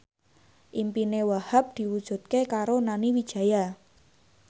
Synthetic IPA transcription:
ʔimpinewahap̚d̪̥i̤wud̥ʒ̥ṳt̪̚kekaɾonaniwid̥ʒ̥a̤ja

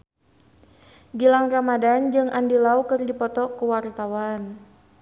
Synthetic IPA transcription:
ɡilaŋramadand͡ʒɨŋʔandilaukɨrdipɔt̪ɔkuwart̪awan

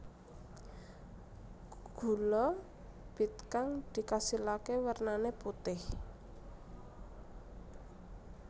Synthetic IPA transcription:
ɡ̥ṳlɔ | b̥i̤t̪̚kaŋd̪̥i̤kasilakewərnaneput̪ɪh

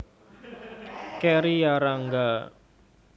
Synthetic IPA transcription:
kɛɾijaɾaŋɡa

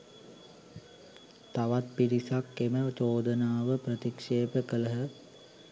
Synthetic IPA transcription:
t̪aʋat̪̚piɾisakːemət̪oːd̪ənaːʋəpɾət̪ikʂeːpəkələɦə

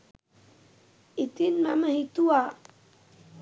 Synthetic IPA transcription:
it̪inmaməɦit̪ua

